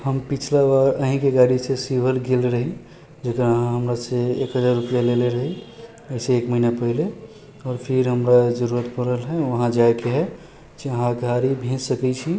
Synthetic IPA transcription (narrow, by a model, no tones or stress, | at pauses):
həmpit͡ʃʰlabaɾəɦĩkeɡaɽisesibʱəlɡelɾəɦi | d͡ʒekɾɦãɦəmɾaseekɦəd͡ʒaɾːupijaleleɾəɦi | əɦseːkməinapəɦile | ɔːɾpʰiɾɦəmɾad͡ʒəɾuɾət̪pəɾəlɦɛʋəɦãd͡ʒaekeɦɛ | d͡ʒiəɦãɡʱaɾibʱẽd͡ʒsəkɛt͡ʃʰi